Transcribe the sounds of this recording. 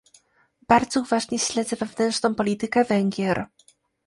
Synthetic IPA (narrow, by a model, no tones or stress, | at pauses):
baɾd̪zɔuvaʐɲɛɕlɛd̪zɛvɛvnɛntt͡ʂnɔ̃w̃pɔlʲit̪ɘkɛvɛŋɡʲjɛɾ